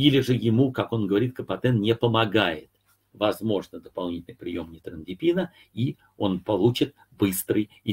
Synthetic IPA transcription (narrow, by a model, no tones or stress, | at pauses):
ilʲɪʐɨjɪmukako̞nɡəvɐɾʲit̪kəpɐt̪ɛnnʲɪpəmɐɡajɪt̪ | vɐzmo̞ʐnəd̪əpɐlˠnʲitʲɪlʲnjpɾʲɪjo̞mnʲɪt̪ɾəndʲɪpʲinə | i | o̞npɐlˠut͡ɕɪt̪̚ | bɨst̪ɾɨj | ɪ